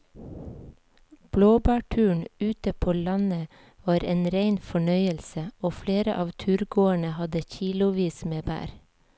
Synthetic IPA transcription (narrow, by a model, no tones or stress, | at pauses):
b̥loːbæːʈʰʉːɳʉːt̪əpʰoːlɑnə | ʋɑːɾeːnɾeɪnfɔɳœʏəlsəoːfleːɾə̰ʔɑːʋt̪ʰʉːɾɡoːəɳəhɑd̪əçiːlʊʋiːsmeːbæ̰ːɾ